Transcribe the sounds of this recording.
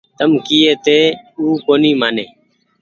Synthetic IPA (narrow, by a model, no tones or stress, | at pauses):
t̪əmkiːeːt̪eːuːkoːniːmaːneː